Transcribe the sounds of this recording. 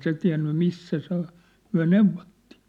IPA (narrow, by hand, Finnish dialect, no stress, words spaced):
se tiæ̝nːy misːæ se ŏ myæ̝ neuʋˑotːi̥ˑ